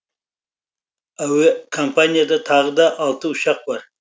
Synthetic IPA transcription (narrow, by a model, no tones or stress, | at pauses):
awekʰompʰanijad̪ɑt̪ʰɑʁəd̪ɑʔːlˠt̪əʊʃɑq̚bɑɾ